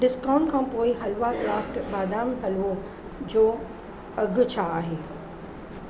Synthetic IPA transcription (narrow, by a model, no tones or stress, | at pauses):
ɖɪskãːʊ̃ɳʈkʰãːpoːɪɦɐlʋakɾaːfʈbaːd̪aːmɦɐlʋo | d͡ʑoː | ɐɡʱʊ̆t͡ɕʰaːɦeː